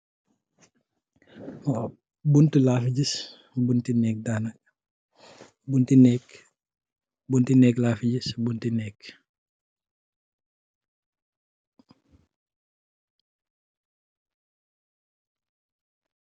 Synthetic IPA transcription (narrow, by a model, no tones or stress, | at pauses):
buntilaːfiɟis | buntinɛːk̚daːnɐ | buntinɛːk | buntinɛːklaːfiɟisbuntinɛːk